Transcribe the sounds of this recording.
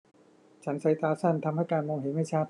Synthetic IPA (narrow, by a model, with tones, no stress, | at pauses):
t͡ɕʰa˦˥nsa˨˦jt̪aː˧sa˥˩nt̪ʰa˧mha˥˩jkaː˧nmo˧ŋɦeː˨˩˦nma˥˩jt͡ɕʰaː˥˩t̪